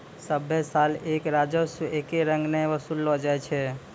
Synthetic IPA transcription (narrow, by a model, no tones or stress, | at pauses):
səbʱesaleːkɾad͡ʒəsuʔekeɾə̃ŋɡnəʋəsulːɔd͡ʒaɛt͡ʃʰɛ